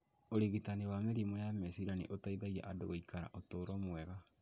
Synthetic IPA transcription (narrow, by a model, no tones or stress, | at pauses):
oɾiɣitaniwameɾimɔjamɛsiɾanḭʔotaiðaia̰ʔadoɣoikʰaɾa̰ʔotoːɾɔmwɛɣa